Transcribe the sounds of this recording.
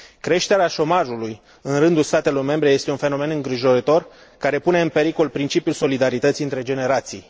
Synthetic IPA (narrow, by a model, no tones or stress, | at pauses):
kɾe̞ʃt̪e̞ɾeaʃo̞maʒuluj | ɨnɾɨnd̪ulst̪at̪e̞lo̞rme̞mbɾe̞je̞st̪e̞unfe̞no̞me̞nɨŋɡɾiʒo̞ɾət̪o̞r | kaɾe̞pune̞ɨnpe̞ɾiko̞lpɾint͡ʃipjulso̞lid̪aɾit̪ət̪siɨnt̪ɾe̞d͡ʒe̞ne̞ɾat̪sij